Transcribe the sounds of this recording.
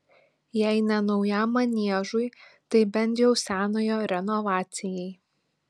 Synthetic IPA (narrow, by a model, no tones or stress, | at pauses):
jɛɪnʲɐnɒʊjæmɐnʲiɛʒʊjt̪ɐɪbʲɛnʲt̪ʲjɛʊsʲæːnoːjoːɾʲɛnɔʋɑːt̪sʲɪjɛɪ